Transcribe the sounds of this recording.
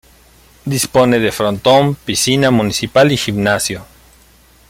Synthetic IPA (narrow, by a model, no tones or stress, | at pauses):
d̪isponeðefɾont̪ompisinamunisipaliximnasjo